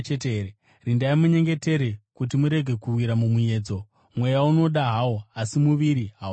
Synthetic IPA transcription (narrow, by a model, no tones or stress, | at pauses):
t͡ʃeteɦeɾe | rindaimuɲe̞ŋɡe̞te̞ɾe̞kut̬imuɾe̞ɡʱe̞kuwiɾamumuje̞ːd͡zo̞ | mwe̞jauno̞ɗaɦawoasimuʋiɾiɦa